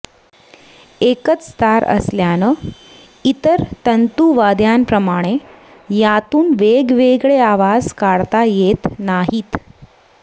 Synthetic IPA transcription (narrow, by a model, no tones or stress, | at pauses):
ekət͡sst̪ʰaɾə̰sljanə | it̪əɾt̪ənt̪uʋad̪jampɾəmaɽ̃e | jat̪uːnʋeɡʋeɡɭeaʋad͡zkaɽt̪ajet̪naɦiːt̪